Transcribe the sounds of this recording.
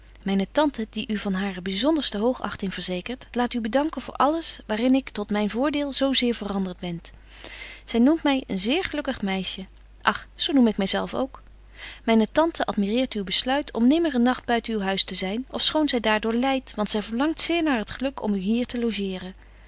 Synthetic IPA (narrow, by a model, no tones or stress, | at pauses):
mɛjnətɑntədiʔyvɑnɦaːrəbizɔndəɹstəɦowχɑ̰χtɪŋv̥əɹzejkəɹtlaːtybədɑŋkənvʊ̰ːɹʔɑləsʋaːrɪnɪktɔtmɛjnvʊːɹdɪːlˠzowzɪːɹvərɑndəɹd̚bɛn | z̥ɛjnumtmɛjə̰nzɪːɹχəlɵkəχmɛjʃə | ʔɑχsownumɪkmɛjzɛlˠfo̰wk | mɛjnətɑntʰəʔɑtmirɪːɹtywbəslœɥtʰɔ̰mnɪməɹənːɑχd̚bœɥtənywɦœɥstəzɛjnɔfsχownzɛjdaːɹdʊːɹlɛjtʋɑntsɛjvəɹlɑŋtsɪːɹnaːɹɦətχəlɵkʰɔ̰myɦiːɹtəlowʒɪːrən